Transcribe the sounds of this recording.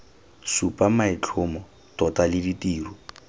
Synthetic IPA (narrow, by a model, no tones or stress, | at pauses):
supʼamaɪt͡ɬʰʊmɔ | tɔtʼalɪditiːru